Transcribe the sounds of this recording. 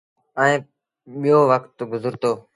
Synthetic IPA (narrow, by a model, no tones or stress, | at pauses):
əẽː | ɓijoːʋəkt̪ɡʊzəɾt̪oː